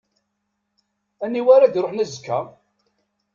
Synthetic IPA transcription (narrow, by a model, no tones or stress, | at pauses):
ænːiwaɾad̪ɾoħnæzəkːæ̰